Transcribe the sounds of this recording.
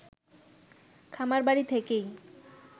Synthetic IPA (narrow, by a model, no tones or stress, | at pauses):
kʰamaɾbaɽit̪ʰekej